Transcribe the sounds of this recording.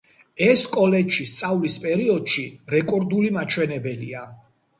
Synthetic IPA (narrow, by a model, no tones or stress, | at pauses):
ɛskʼɔlɛd͡ʒʃist̪sʼavlispʼɛɾiɔd̪ʃiɾɛkʼɔɾd̪ulimat͡ʃʰwɛnɛbɛlia